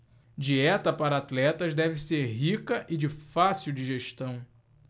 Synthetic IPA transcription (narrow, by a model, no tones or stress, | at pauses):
d͡ʒiɛt̪ɐpaɾɐat̪lɛt̪ɐzd̪ɛvɪseɾɦikɐʔɪd͡ʒɪfasiwd͡ʒiʒeʃt̪ɐ̃w̃